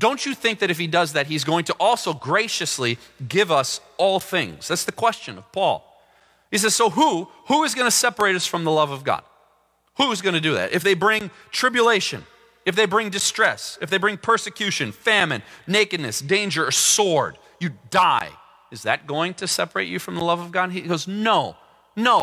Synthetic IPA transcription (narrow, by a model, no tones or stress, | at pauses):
d̥õʊ̃nt͡ʃɨθɪ̃ŋk̚ðɨɾɨfhidʌzðɨt̚ɦizɡoʊɪ̃ŋtʰəʔɔlˠsoʊɡɹeɪʃɨsliɡɪvʌs | ɔlˠθɪ̰̃ŋz̥ðætsðɨkʰw̥ɛst͡ʃɨ̃nʌv̥pʰɔ̰lˠ | is̬ɛz̥soʊɦuhuɨzɡʌñɨsɛpə˞eɪɾʌsfɹʌ̃mðəlʌvʌvɡɑ̰d̥̚ | huɨzɡʌñɨdɨðæ̰ɾʔɨfðeɪbɹɪ̃ŋ | tʰɹ̥ɪbjəleɪʃɨ̰̃n | ɨfðeɪbɹɪ̃ŋdɨstɹ̥ɛsɨfðeɪbɹɪ̃ŋpʰɜ˞sɨkʰj̥ʉʃɨ̃nfæ̃mɨ̃nːeɪkɨdⁿnɨsd̥ẽɪ̃nd͡ʒə˞ɨsɔɹd | jɨdaɪ | ɨzðɨ̰t̚ɡ̥oʊɪ̃ŋtʰɨsɛ̰pə˞eɪt͡ʃɨfɹʌ̃mðəlʌvʌvɡɑd̚iɡoznoʊ | noʊ